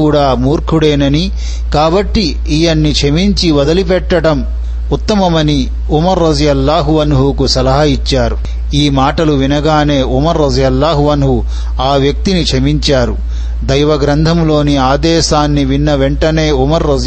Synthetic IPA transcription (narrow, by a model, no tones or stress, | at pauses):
uːɽaːmuːɾkʰuɽeːnɐni | kaːbɐʈːiː | jɐnːit͡ʃʰemiɲt͡ʃiʋɐd̪ɐlipɛʈːɐɽɐm | ut̪ːɐmɐmɐni | umɐɾːɐzɐjɐlːaːɦuʋɐnɦukusɐlɐɦɐit͡ʃːaːɾu | iːmaːʈɐluʋinɐɡaːne̞ːʔumɐɾːɐzɐjɐlːaːɦuʋɐnɦu | aːʋjɐk̚t̪init͡ʃʰemiɲt͡ʃaːɾu | d̪ɐjʋɐɡɾɐnd̪ʱɐmlo̞ːniaːd̪ɛːʃaːnːiʋinːɐʋeɳʈɐne̞ːumɐɾːɐz